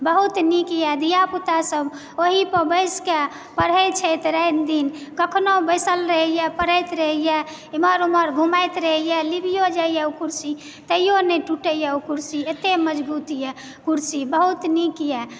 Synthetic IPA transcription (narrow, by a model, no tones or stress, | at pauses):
bəɦut̪nikijɛd̪ijaput̪asəb | oɦipəbəɪske | pəɽ̤ət͡ʃʰɛt̪ɾəjnd̪inkəkʰnobəɪsəlɾəɦijɛpəɾ̤əjt̪ɾəɦijɛ | iməɾuməɾɡʱumajt̪ɾəɦijɛlibijod͡ʒaijɛukuɾsi | t̪əijoneʈuʈəjɛukuɾsiet̪eməd͡ʒbut̪ijɛ | kuɾsibəɦut̪nikijɛ